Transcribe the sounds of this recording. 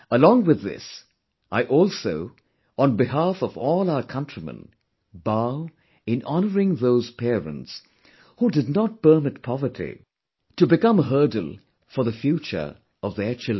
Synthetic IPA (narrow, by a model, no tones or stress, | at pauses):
əlɔ̃ŋwɨðɪ̰s | ʔaɪʔɔlˠsoʊ | ə̃nbɪhafʌvɔlˠaʊə˞kʰʌ̃ntɹ̥imə̰̃n | baʊ | ɨ̃nɑnəɹɪ̃ŋðoʊz̥pʰɛɹə̰̃nts | hudɨdⁿnət̚pə˞mɪt̚pʰɑvə˞tʰḭ | tɨbɨkʌ̃mɦɜ˞dl̩ˠ | fə˞ðəfjut͡ʃə̰˞ | ʌvðə˞t͡ʃʰɪld